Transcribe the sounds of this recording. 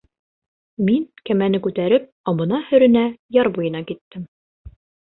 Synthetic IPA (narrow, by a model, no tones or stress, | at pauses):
miŋkæmænɘkʉt̪æɾɘp̚ɒβɤ̆nɑhɵ̆ɾɘ̆næjɑɾbujɤ̆nɑkit̪ːɘm